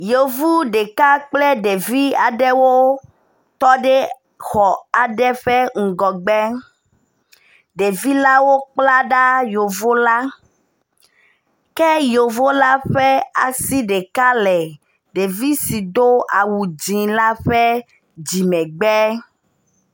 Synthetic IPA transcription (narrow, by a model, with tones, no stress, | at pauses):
jo˨vu˦ɖe˨ka˦k͡plɛ˦ɖe˨vi˦a˨ɖɛ˦wo˦ | t̪ɔ˦ɖe˦ | xɔ˨a˨ɖɛ˦ɸɛ˦ŋ̩˨ɡɔ˨ɡ͡bɛ˦ | ɖe˨vi˦la˦wo˦k͡pla˦ɖa˦jo˨vo˦la˦ | kɛ˦jo˨vo˦la˦ɸɛ˦a̰˨si˦ɖe˨ka˦lɛ˨ | ɖe˨vi˦si˨d̪o˦a˨wu˨d͡ʒĩ˨la˦ɸɛ˦ | d͡ʑi˨mɛ̃˨ɡ͡bɛ˦